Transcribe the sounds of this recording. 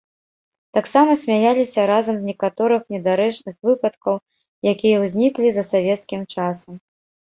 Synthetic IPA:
t̪aksamɐsʲmʲajalʲisʲɐɾazɐmzʲnʲɛkat̪ɔɾɨxnʲɛd̪aɾɛt͡ʂnɨxvɨpɐt̪kɐw | jakʲijɐwzʲnʲiklʲizɐsavʲɛt̪skʲimt͡ʂasɐm

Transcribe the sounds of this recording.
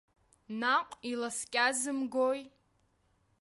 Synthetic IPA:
naqʷʼilaskʲʼazɨmɡoj

